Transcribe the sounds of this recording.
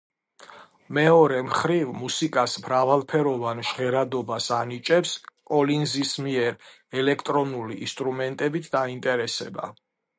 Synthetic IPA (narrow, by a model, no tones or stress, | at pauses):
mɛɔɾɛmχɾivmusikʼasmɾavalˠpʰɛɾɔvanʃʁɛɾad̪ɔbasanit͡ʃʼɛpskʼɔlinzismiɛɾ | ɛlɛkʰt̪ʼɾɔnulḭːnst̪ʼɾumɛnt̪ʼɛbit̪ʰd̪aint̪ʼɛɾɛsɛba̰